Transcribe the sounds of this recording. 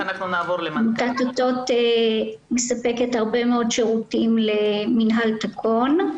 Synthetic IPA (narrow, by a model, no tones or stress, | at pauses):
anaχnunaːvoɾleamutat̪ot̪o̞t̪ | mesape̞kethaʁbe̞meo̞dʃeʁutimleminɦalt̪akʰon